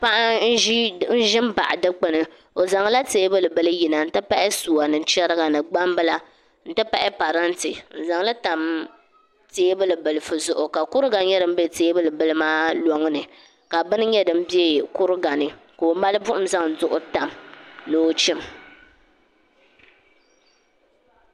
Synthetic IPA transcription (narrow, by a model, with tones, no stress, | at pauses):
pa˦ʔa˦n̩˦ʒi˦n̩˦ʒɪ˦m˦ba̰˨ʔa˨dɨ˦k͡pɨ˦nɨ˨ | o˨za˨ŋ˦la˦teː˦bɨ˦lɨ˨bɨ˦lɨ˦ji˨na˨n̩˦tɨ˦pa˦ʔɪ˦suː˨a˨nɨ˨˦t͡ʃɛ˦ɾɨ˦ɡa˨nɨ˨ɡ͡ba˦m˦bɨ˦la˦ | n̩˦tɨ˦pa˦ʔɪ˦pa˨ɾa˦ntɨ˨n̩˨za˨ŋla˦ta˨m | teː˦bɨ˦lɨ˨bɨ˨lɨ˨fɨ˨zʊ˦˨ʔʊ˨ka˨kʊ˦ɾɨ˦ɡa˨˦ɲɛ˦dɨ˨m̩˦bɛ˦˨teː˦bɨ˦lɨ˨bɨ˦lɨ˦maː˦lɔ˦ŋ˦nɨ˨ | ka˨bɨ˦nɨ˦ɲɛ˦dɨ˨m̩˦bi˦e˦kʊ˦ɾɨ˦ɡa˨nɨ˨ | ko˨o˨ma˦lɨ˦bʊ˦ʔʊ˦m̩˦za˦ŋ̩˨zʊ˦ʔʊ˦ta˨mnɨ˦o˦t͡ʃi˦m